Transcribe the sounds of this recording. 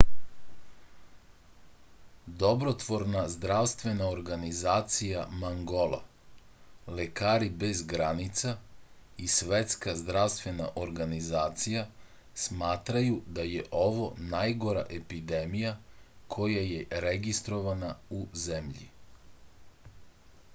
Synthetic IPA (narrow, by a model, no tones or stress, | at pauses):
d̪o̞bɾo̞t̪ʋo̞ɾnazd̪ɾaʋst̪ʋe̞naoɾɡanizaːt̪sijamaŋɡo̞lˠa̰ | lekaːɾibe̞zɡɾanit̪sa | isʋe̞t̪skazd̪ɾaʋst̪ʋe̞na̰ʔo̞ɾɡanizaːt̪sija | smaːt̪ɾajud̪ajeʔo̞ʋonajɡo̞ɾa̰ʔe̞pid̪e̞mijakʰo̞jaje̞ɾeɡist̪ɾo̞ʋanauzemʎḭ